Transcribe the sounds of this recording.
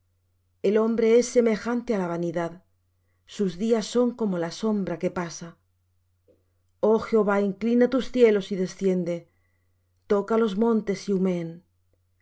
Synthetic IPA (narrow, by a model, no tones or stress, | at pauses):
e̞lo̞mbɾe̞esːe̞me̞xant̪ealaβ̞aniðað | suzðiasːo̞ŋko̞mo̞laso̞mbɾake̞pasa | o̞xeo̞βaiŋklinat̪usθje̞lo̞siðe̞sθje̞nd̪e̞ | t̪o̞kalo̞zmõ̞nt̪e̞siume̞n